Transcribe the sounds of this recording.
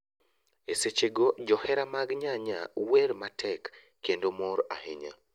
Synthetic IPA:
eset͡ʃeɡod͡ʒɔhɛɾamaɡɲaɲa̰weɾmatʰɛkː | endomɔɾa̰heɲa̰

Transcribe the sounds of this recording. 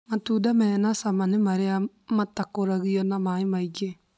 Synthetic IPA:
matudamɛnasamanemaɾea | matakoɾaɣiɔnamaemaid͡ʒe

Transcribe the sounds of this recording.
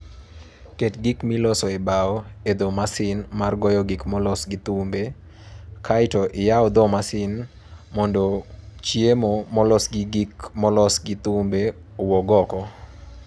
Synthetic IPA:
ketɡikmilɔsɔebaɔed̪ɔmasɪnmarɡɔjɔɡikmɔlɔsɡit̪umbe | kʰaɪtɔʔɪjaɔd̪ɔmasɪn | mɔndot͡ʃjemɔmɔlɔsɡiɡikmɔlɔsɡit̪umbe | owɔɡɔkɔ

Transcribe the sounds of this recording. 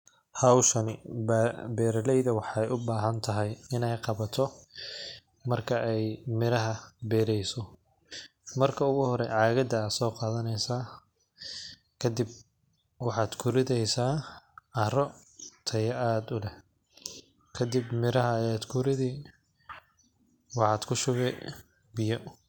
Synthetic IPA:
hɐwʃɐnɪ | bɛːɾɐlɛjðɐwɑħɑɛjʔʊbaːɦɐnt̪ʰɐɦɛjɪnɛjqɑβɐt̪ʰɔ | mɐrkʰɐʔɛjmɪɾɐɦɐbɛːɾɛjsɔ | mɐrkʰɐʊɣʊhɔɾɛʕɑːɣɐd̪ɐːd̪sɔːqɑːðɐnɛjsaː | kʰɐd̪ɪb̚ | wɑħɑːd̪kʰʊɾɪðɛjsaːɐɾɔt̪ʰɐjɐʔaːd̪ʊlɛh | kʰɐd̪ɪbmɪɾɐɦɐːjaːd̪kʰʊɾɪðiː | wɑħɑːd̪̥kʰʊʃʊβɛ | bɪjɔ

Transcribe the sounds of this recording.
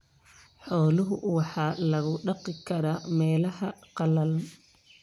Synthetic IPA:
ħɔːlʊɦʊwɑħɑːlɐɣʊɖɑqɪkʰɐɾaːmɛːlɐɦɐqɑlɐl

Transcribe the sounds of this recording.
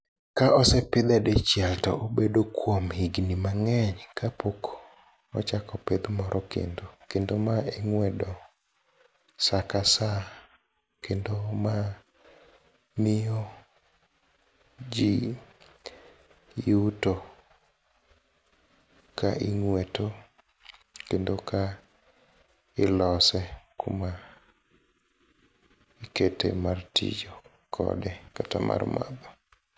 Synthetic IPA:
kaʔɔsɛpɪd̪ɛdɛt͡ʃjɛltɔ̰obedokwomhiɡnimaŋɛɲkʰapokʰo̥ | ɔ̰t͡ʃakɔped̪mɔɾʔɔkḛndokendomaeŋwɛdɔ | sakasa | kendoma | mɪo | d͡ʒi | juto | kaʔiŋweto | kendoka | ɪlɔsɛkuma | iketḛmartḭd͡ʒo | kʰɔ̰dɛkata̰mʔa̰rma̰bɔ

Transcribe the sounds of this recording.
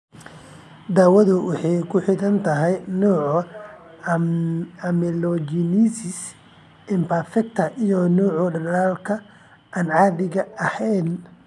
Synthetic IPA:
d̪aːwɐðʊwɑħɑjkʰʊħɪðɐnt̪ʰɐɦɛjnuːʕ | ɐmɛlɔd͡ʒinisɪs | ɪmpʰɐrfɛk̚t̪ʰɐʔijɔnuːʕʊɖɐaːlkʰɐ | anʕɑːðɪɣɐɐhɛjn

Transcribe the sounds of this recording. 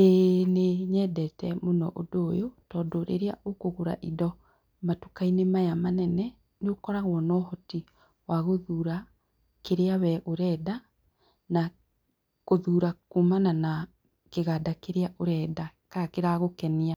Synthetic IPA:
eneɲɛdɛtɛmonɔʔodoːjotɔːdoɾʔḛɾea̰ʔokoɣoɾa̰ʔidɔ | matukainemajamanɛnɛ | neokɔɾaɣwɔnɔhɔti | waɣoðuːɾa | keɾeawɛʔoɾɛːda | na | koðuːɾakumanana | keɣadakeɾeaʔoɾɛːdakakeɾaɣokɛnia

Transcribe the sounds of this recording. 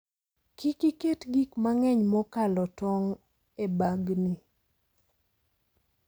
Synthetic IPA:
kikiketɡikmaŋɛɲmɔkalɔtɔŋ | ebaɡni

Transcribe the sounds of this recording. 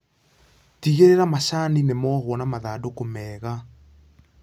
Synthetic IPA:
tiɣeɾeɾamasaninemɔhwɔnamaðaːdokomɛːɣa

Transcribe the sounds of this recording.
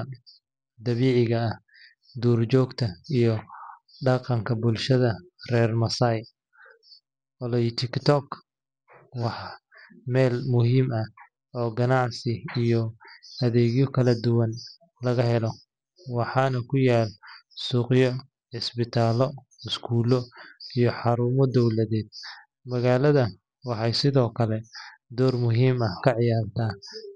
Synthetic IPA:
d̪ɐβiːʕɪɣɐːh | d̪uːrt͡ʃɔːɡt̪ʰɐijɔ | ɖɑqɑŋkʰɐbʊlʃɐðɐrɛːrmɐsɐj | ɔlɔjt̪ʰɪkt̪ʰɔkʰ | wɑħ | mɛːlmʊhiːmɐ | ɔːɡɐnɑʕsɪijɔɐðɛːɣjɔkʰɐlɐd̪ʊwɐn | lɐɣɐɦɛlɔ | wɑħɑːnɐkʰʊjaːlsuːqjɔ | ħɪsbɪt̪ʰaːlɔ | ɪskʰuːlɔijɔħɑɾuːmɔd̪ɔwlɐðɛːd̪̚ | mɐɣaːlɐðɐ | wɑħɑjsɪðɔːkʰɐlɛd̪ɔːrmʊɦiːmɐhkʰɐʕɪjaːrt̪ʰaː

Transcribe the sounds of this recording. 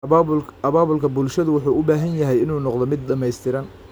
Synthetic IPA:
ɐβaːβʊlkʰɐbʊlʃɐðʊwɑħuːʔʊbaːɦɐnjɐɦɛjɪnuːnɔqðɔmɪd̪̚ɖɐmɛjst̪ʰɪɾɐn

